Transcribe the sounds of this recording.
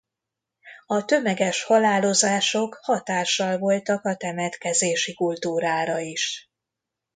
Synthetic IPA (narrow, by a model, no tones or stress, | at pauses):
ɒt̪ø̞mɛɡɛʃhɒlaːlo̞zaːʃo̞khɒt̪aːʃːɒlvo̞lt̪ɒkɒt̪ɛmɛt̪kɛzeːʃikult̪uːɾaːɾɒiʃ